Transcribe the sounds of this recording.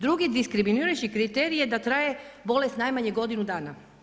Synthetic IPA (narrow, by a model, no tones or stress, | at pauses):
d̪ɾuɡid̪iskɾiminiːɾajt͡ʃikɾit̪eɾijed̪at̪ɾaːje̞bo̞le̞st̪najmaɲeɡo̞d̪inud̪aːna